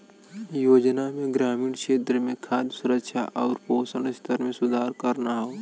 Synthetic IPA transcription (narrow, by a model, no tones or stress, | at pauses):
joːd͡ʒnamẽɡɾaːmiːɽ̃kʃeːt̪ɾəmẽkʰaːd̪jsʊɾəkʃʰa̰ʔɔːɾpoːsəɳst̪ʰəɾmẽsʊd̪ʱaːɾkəɾnaɦoː